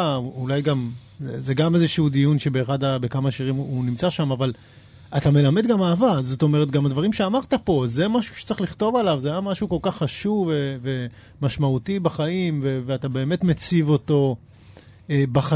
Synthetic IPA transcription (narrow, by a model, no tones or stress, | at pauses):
uulajɡam | zeɡamezeʃuudijunʃe̞be̞ːχadabekamaʃiʁimunimt͡saʃamaval | atame̞lame̞dɡamaːvazo̞t̪o̞meʁetɡamadvaʁimʃeamaʁt̪apo̞ze̞maʃu̥ʃe̥t͡sʁeχliχto̞valavzeajamaʃuko̞lkaχːaʃuvveve̞ | maʃmautibaχaimveveatabe̞ːme̞tmet͡sivo̞to̞ | ebaχa